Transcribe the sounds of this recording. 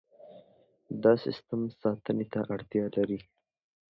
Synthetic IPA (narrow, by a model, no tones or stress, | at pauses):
d̪ɑsɪ̰st̪əmsɑt̪ənet̪aʔaɽt̪jɑlaɾi